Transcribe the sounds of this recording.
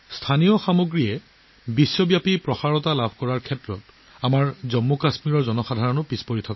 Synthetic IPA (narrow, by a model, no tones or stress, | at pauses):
stʰanijɔxamoɡɹiɛ | bisːɔbjapipɹɔxaɹɔtalabʱkɔɹaɹkʰɛtɹɔt | amaɹzɔmːɔkasmiɹɔɹzɔnɔxadʱaɹɔnʊpispoɹitʰɔka